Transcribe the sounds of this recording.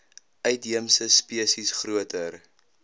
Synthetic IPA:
ʔœɥtɦiəmsəspiəsisχruətər

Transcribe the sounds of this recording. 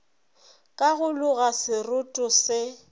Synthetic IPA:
kʼaɣʊlʊɣasɪrʊtʼʊsɪ

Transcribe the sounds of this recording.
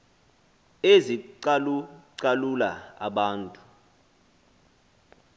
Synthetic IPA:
eziǀaǀalulaa̰ɓaːntʼu̥

